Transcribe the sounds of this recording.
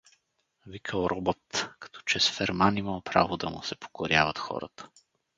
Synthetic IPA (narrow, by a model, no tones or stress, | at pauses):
vikʰəlˠɾʔɔbot̪kɐ̥t̪ʰɔ̥t͡ʃɛsfɛɾmaniməlˠpɾa̰vod̪ɐmʊ̰sɛpo̥koɾjavət̪xɔ̰ɾə̰t̪ə̥